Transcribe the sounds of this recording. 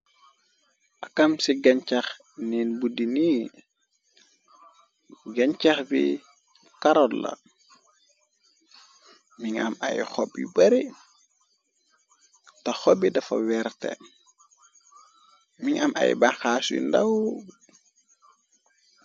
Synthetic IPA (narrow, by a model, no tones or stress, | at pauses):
ʔakamsiɡaɲt͡ʃax | ninbudini | ɡaɲt͡ʃaxbḭ | kaɾɔlːa̰ | miŋa̰ma̰jxɔbḭbɐɾi | taxɔbidɐfɐ̰wɛɾtɛ̰ | miŋamʔa̰j̰baŋxasḭndaw